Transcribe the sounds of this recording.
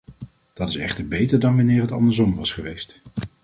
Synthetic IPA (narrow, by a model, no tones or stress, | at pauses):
d̥ɑtɪsɛ̰χtəɹbejtəɹdɑnʋɑnɪːɹɦətɑ̰ndəɹzɔmʋɑsχəʋejst